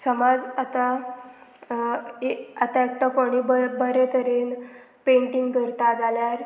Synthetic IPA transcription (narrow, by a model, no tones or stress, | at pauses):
səmad͡zat̪a | eat̪aek̚ʈakoɽ̃ibəbəɾet̪əɾen | pẽɳʈiŋɡkəɾt̪ad͡zaljaɾ